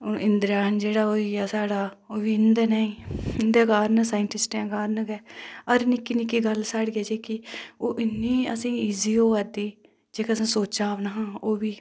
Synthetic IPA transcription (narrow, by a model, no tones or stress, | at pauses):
oɪnd̪ɾaːnd͡ʒeːɽaːoːiːaːsaːɽaː | oːʋiːɪnd̪ɛːnaːĩːɪnd̪eːɡaːɾnəsaːɪɳʈɪsʈẽːɡaːɾnəɡɛːəɾnɪkːiːnɪkːiːɡəlsaːɽiɛːd͡ʒeːkɪioːʔɪnːiːəsĩːiːziːoːɛd̪iː | d͡ʒeːkasãːsoːt͡ʃaːʋnaːɦãːoːʋiː